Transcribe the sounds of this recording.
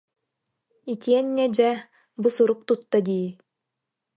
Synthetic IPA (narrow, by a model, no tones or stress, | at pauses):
it̪iɛnːɛd͡ʒɛ | busuɾuk̚t̪ut̪ːad̪iː